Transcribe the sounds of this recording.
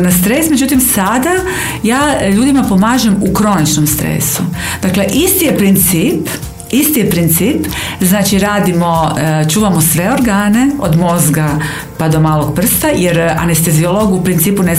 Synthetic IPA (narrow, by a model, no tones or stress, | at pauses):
nast̪ɾe̞ːsme̞d͡ʒut̪imsad̪a | jaːʎuːd̪imapo̞maːʒemukɾo̞nit͡ʃnomst̪ɾḛːsu | d̪̥akle̞ʔist̪ijepɾint̪siːp | ist̪ijepɾint̪siːpznaːt͡ʃiɾaːd̪imo̞t͡ʃuːʋamosʋe̞o̞ɾɡaːne̞od̪mo̞zɡa | pad̪o̞maːlˠoɡpr̩st̪ajeɾa̰nest̪e̞ziolo̞ɡuupɾint̪siːpune